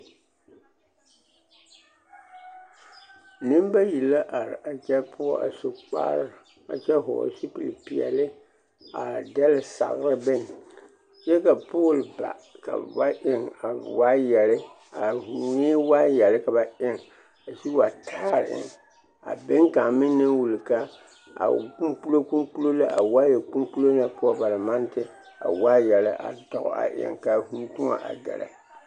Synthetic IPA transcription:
ni˦mba˦ji˨lːa˦ʔa˨ɾɪ˨ʔa˨t͡ʃɛ˦pʰʊ˦ɔ̰˦˨a̰˨su˨k͡pa̰ː˦ɾ | a̰˨t͡ʃɛ˦ɦʊ̰˨si˦pi˨lpi˨ɛ̰˨lɪ˦ | a̰˨dɛ˦lɪ˨sa̰˨ɣɾɪ˦bɪ˦n˨ | t͡ʃɛ˦ka˨po˦˨lba̰˨ka̰˨ba˦ʔɪ˦˨ŋa˨wa˦jɛ˨lɪ˦ | a˨hu˨nɪː˦waː˦jɛ˨lɪ˦ka˨ba˨ɪ˦ŋ | a˨su˦wa˨tʰaː˦˨ɾʔɪ̰˨ŋ | a̰˨be˦ŋka˨mɪ˦n˦na˦wu˨lka˦ | a̰˨ku˦mpu˦lo˦ku˦mpu˦lo˦la˦a̰˨wa˦jɛ˨ku˦mpu˦lo˦na˨po˦˨ba˨la˨ma˦n˦tɪ˦ | a̰˨wa˦jɛ˨lɪ˦ʔa̰˨tɔ˨ɣ̰a̰˨ʔɪ̰˦˨ŋka˨hu˦tʊ˦ŋa̰˨ʔa̰˨dɛ̰˨la̰˨

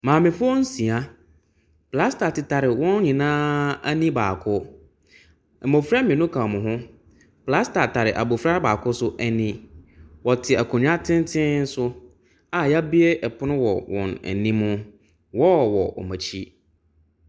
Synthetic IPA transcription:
mãː˨mɪ̃˨fo˦n̩˦sĩ˨a˦ | pla˦sta˨tɪ˨tʰa˨ɾɪ˨wɔ̃˦n˦ɲĩ˨nãː˦a˦nĩ˦baː˨kʰʊ˦ | ɛ˨mo˨fɾa˦mɪ̃˨nʊ̃˦kʰã˨mʊ̃˨ɦʊ̃˦ | pla˦sta˨tʰa˨ɾɪ˨ʔa̰˨bo˨fɾa˦baː˨kʰʊ˦sʊ˦ʔɛ˦nĩ˦wɔ˨tʰɪ˨a˨kʰo˨ɲᶣ˦a˦tʰɪ̃˦n˦tʰɪ̃˦n̩˦sʊ˦ | a˨ja˦bi˦e˦ʔɛ˨pʰʊ˦nʊ̃˦wɔ˨wɔ̰̃˨nɛ̰˨nĩ˦mʊ̃˦ | wɔ˦˨wɔ̰˨ɔ̰˨ma˨t͡ɕʰi˦

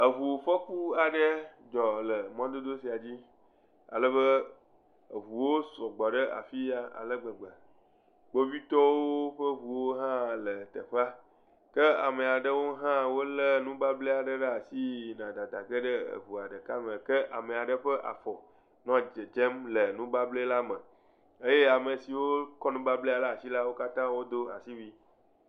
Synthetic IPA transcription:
ə˨ɦu˨fɔ˦ku˦a˨ɖə˦d͡ʒɔ˨lə˨mɔ̃˦d̪o˦d̪o˦si˨a˨d͡ʑi˦ | a̰˨lə˦bə˦˨ | ɦu˨wo˦sɔ˨ɡ͡bɔ˨ɖə˦ʔa̰˨fi˦a˨a̰˨lə˦ɡ͡bə˨ɡ͡ba˨ | ɡ͡bo˦vi˦t̪ɔ˦wo˦ɸə˦ɦu˨wo˦ɦã˦lə˨t̪ə˨ɸa˦ | kə˦a̰˨mə̃˨a˨ɖə˦wo˦ɦã˦wo˦lə˦nũ˦ba˦ble˦a˨ɖə˦ɖə˦a˨si˦nã˨d̪a˨d̪a˨ɡə˦ɖə̰˦˨ɦu˨a˨ɖə˨ka˦mə̃˨kə˦ʔa̰˨mə̃˨a˨ɖə˨ɸə˦ʔa̰˨fɔ˨ | nɔ̃˨˦d͡ʒe˨d͡ʒe˦mlə˨nũ˦ba˦ble˦la˦mə̃˨ | e˦je˦a˨mə˨si˨wo˦kɔ˦nũ˦ba˦ble˦a˨la˦a˨si˦la˦wo˦ka˦t̪ã˦wo˦d̪o˦a̰˨si˦wi˦

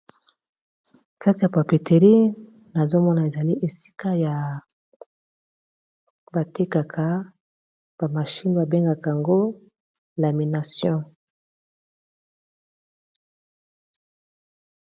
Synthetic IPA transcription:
ka˦ti˨ja˨pa˨pi˨te˨ʁi˦ | na˨zo˦mɔ˦na˨e˨za˨li˦ʔe˨si̥˦ka˦ja˨ | ba˨te˦ka˨kʰa˨ | b̥a˨ma˨ʃi˦nba˨be˦ŋɡa˨ka˨ŋɡo˦ | la˨mi˨na˨sjɔ̃˦

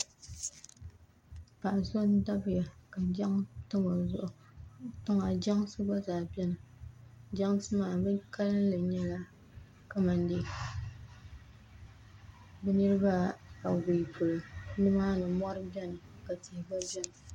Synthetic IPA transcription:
pa˨ʔso˦n˦da˦bɨ˦ja˨ka˨d͡ʒa˦ŋtɨ˦ŋo˨zʊ˦ʔʊ˨ | tʊ˦ŋa˨d͡ʒa˦ŋsɨ˦ba˦zaː˨bɛ˦nɨ˨ | d͡ʒa˦ŋsɨ˦maː˨bɨ˦ka˦lɨ˦n˦lɨ˨ɲɛ˦la˦ | ka˨ma˨ndi˦˨ | bɛ˦nɨ˦ɾɨ˦ba˦a˨wi˨pʊ˨lɨ˨nɨ˦ma˦nɨ˨mɔ˦ɾɨ˦bɛ˦nɨ˨ka˨ti˨hɪ˨ba˦bɛ˦nɨ˨

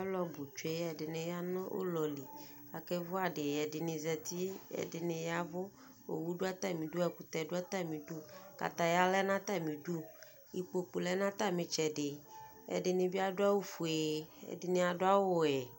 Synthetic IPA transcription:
a˦lɔ˦bu˨t͡ʃu˦e˦ɛ˨dɪ˨nẽ˨ja˦nɔ̃˦ʔo̰˦lɔ˨li˨ | a˨kɛ˦vʊ˦a˨ɖɪ˨jɛ˨dɪ˨nɪ̃˨zɛ˨t̪i˦ɛ̰˨dɪ˨nẽ˨ja˦vʊ˦ | o̰˨wu˦ɖo˦a˦t̪a˦˨mĩ˨du˦ɛ˨ku˦t̪ɛ˨ɖʊ˦a˦t̪a˦mĩ˨du˦ka̰˨t̪a˨ja˦lɛ˦nã˦t̪a˦mĩ˨du˦ | i˨k͡po˨k͡pu˨lɛ˦nã˦t̪a˦mĩ˨t͡ʃɛ˨ɖɪ˨ | ɛ̰˨dɪ˨nẽ˨bi˦a˦dʊ˦a˦wo˦fu˨e˨ɛ̰˨dɪ˨nẽ˨a˨dʊ˦a˦wo˦˨ɛ˨

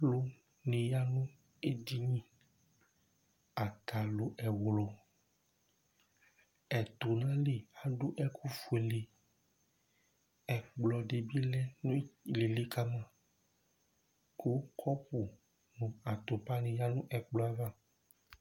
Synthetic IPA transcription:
lo˦ | nẽ˨ja˦nũ˦ | e˦d̪i˦ɲĩ˦ | a˨t̪a˨lo˨ʔɛ˨wlɔ˨ | ɛ˨t̪o˨nã˦le˨a˨ɖo˦ʔɛ˦kʰu˦fu˨e˨le˨ | ɛ˨k͡plɔ˨ɖe˨bi˦lɛ˦le˨le˦ka˦mã˦ | ko˦kʰɔ˦ɸu˨ | nũ˨a˨t̪o˨pa˦nẽ˨ja˦nũ˦ʔɛ˨k͡plɔ˨˦a˨va˦

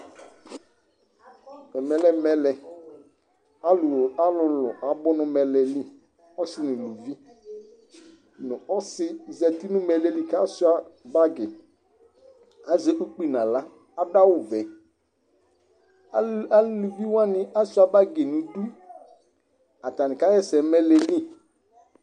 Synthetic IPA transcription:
ɛ˨mɛ˨lɛ˨mɛ˨lɛ˨ | a˨lʊ˨la˦lʊ˨lʊ̰˨ʔa˨bʊ˦nʊ˨mɛ˨lɛ˨li˦ | ɔ˦sɪ˦nʊ̃˨lu˨vi˦ | nʊ̃˨ɔ˦sɪ˦˨zɛ˨ti˦nʊ̃˦mɛ˨lɛ˨li˨ka˦sʊ˦a˦ba˦ɡɪ˨ | a˦zɛ˦ʔu˦k͡pi˨nã˨la˦ | a˦da˦wʊ˨vɛ˨˦ | a˨˦llu˨vi˦wa˦nɪ˨a˦sʊ˦a˨ba˦ɡe˨nũ˨du˦ | a˨ta˨nɪ̃˨ka˦jɛ˦sɛ˨˦mɛ˦lɛ˨li˦

